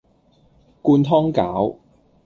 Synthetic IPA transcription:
kuː˧nt̪ʰɔː˥ŋkaː˨˥w

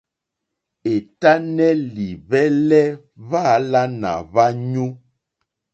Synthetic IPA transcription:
e˨ta˦nɛ˦li˨βɛ˦lɛ˦ | βa˦la˦na̰˨βa˦ɲu˦

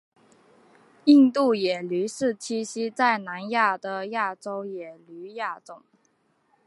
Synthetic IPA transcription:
i˥˧ŋt̪u˥˩jɛ˨˩ly˧˥ʂɻ̩˥˩t͡ɕʰi˥ɕi˥t͡sa˥˩ɪna˧˥nja˥˩d̪ə˨ja˥˩ʈ͡ʂo˥ʊjɛ˨˩ly˧˥ja˥˩t͡sʊ˨˩˦ŋ

